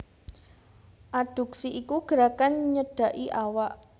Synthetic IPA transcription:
ʔaɖ̥ṳk̚siʔːkuɡ̥əɾakanɲəd̥a̤ʔiʔawaʔ

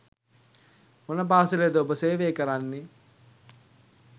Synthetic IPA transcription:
onɐbaːsiled̪ɐobɐseːʋeːkɐɾanːi

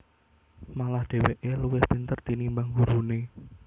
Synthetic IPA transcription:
malahɖ̪̥e̤weʔeluwɪhb̥ə̤nt̪ərt̪inimbaŋɡuɾune

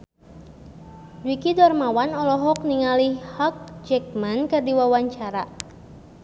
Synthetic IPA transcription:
d͡ʒwikidɔrmawanɔlɔɦɔk̚niŋalihhɔk̚d͡ʒɛk̚mankɨrdiwawaɲt͡ʃaɾa

